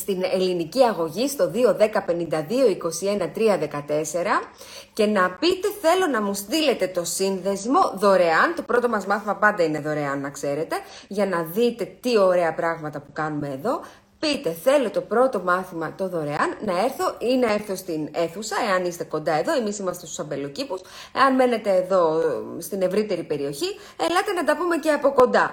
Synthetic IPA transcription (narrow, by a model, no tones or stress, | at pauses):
st̪ine̞liniciɐɣo̞ʝist̪o̞ðio̞ðe̞kɐpe̞nind̪ɐðio̞iko̞sie̞nɐt̪ɾiɐðe̞kɐt̪e̞se̞ɾɐ | ce̞nɐpit̪e̞θe̞lo̞nɐmust̪ile̞t̪e̞t̪o̞sinðe̞zmo̞ðo̞ɾe̞ɐnt̪o̞pɾo̞t̪o̞mɐzmɐθimɐpɐnd̪ɐine̞ðo̞ɾe̞ɐnːɐkse̞ɾe̞t̪e̞ʝɐnɐðit̪e̞t̪io̞ɾe̞ɐpɾɐɣmɐt̪ɐpukɐnume̞ːðo̞ | pit̪e̞θe̞lo̞t̪o̞pɾo̞t̪o̞mɐθimɐt̪o̞ðo̞ɾe̞ɐnːɐe̞ɾθo̞inee̞ɾθo̞st̪ine̞θusɐe̞ɐnist̪e̞ko̞nd̪ɐe̞ðo̞e̞misimɐst̪est̪usɐbe̞lo̞cipus | ḛɐnme̞ne̞t̪e̞ːðo̞st̪ine̞vɾit̪e̞ɾipe̞ɾio̞çi | elɐt̪e̞nɐt̪ɐpume̞ceɐpo̞ko̞nd̪ɐ